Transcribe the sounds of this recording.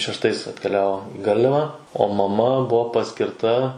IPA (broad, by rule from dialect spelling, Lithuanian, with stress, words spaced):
ʃʲɛʃtˈɐɪs ɐtʲkʲɛˈlʲæːʋoː ɪ ˈɡɐrʲlʲɛʋɐ oː mɐˈmɐ ˈbuɔ pɐsʲkʲɪrˈtɐ